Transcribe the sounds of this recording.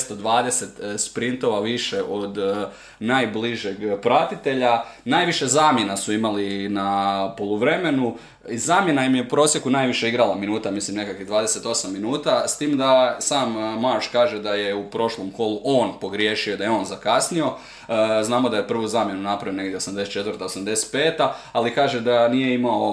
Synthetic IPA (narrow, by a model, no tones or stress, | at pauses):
st̪od̪ʋaːd̪ese̞t̪spɾint̪o̞ʋaʋiʃeʔo̞d̪ | naːjbliʒeɡpɾat̪it̪e̞ʎanaːjʋiʃe̞zaːmje̞nasuimalinapolˠuʋɾe̞me̞nu | izaːmje̞najimjeupɾo̞ːsje̞kunaːjʋiʃe̞iɡɾalˠaminuːt̪amislimne̞kakʋid̪ʋaːd̪e̞se̞t̪o̞samːinuːt̪ast̪iːmd̪asaːmːaɾt͡ʃkaːʒed̪aje̞upɾo̞ʃlˠomko̞luʔo̞ːnpo̞ɡɾje̞ʃioid̪ajeo̞ːnzakasnio̞ | znaːmo̞d̪ajepr̩ʋuzaːmjenunapɾaʋione̞ɡd̪ʲjeosamd̪e̞set̪̚t͡ʃe̞t̪vɾrt̪aosamd̪e̞se̥t̪̚peːt̪aalikaːʒed̪anijeimao̞